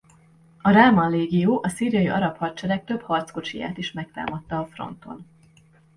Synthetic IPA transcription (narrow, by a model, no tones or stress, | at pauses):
ɒɾaːmɒnleːɡijoːʔɒsiːrijɒjiʔɒ̰ɾɒphɒrt͡ʃɛɾɛk̚t̪ø̞phɒrt̪sko̞t͡ʃija̰ːt̪iʃmɛk̚t̪a̰ːmɒt̪ːɒːfro̞̰nt̪o̞̰n